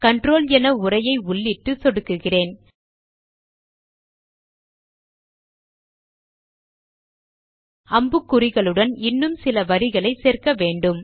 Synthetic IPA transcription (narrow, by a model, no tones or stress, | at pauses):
kɐɳɖroːljɛnɐʊrɐjɐɪʊɭːɪʈːɯsɔɽɯkːɯɣɪreːn | ɐmbɯkːʊrɪɣɐɭɯɽɐnɪnːɯmsɪlɐʋɐɾɪɣɐɭɐɪseːrkɐʋeːɳɖɯm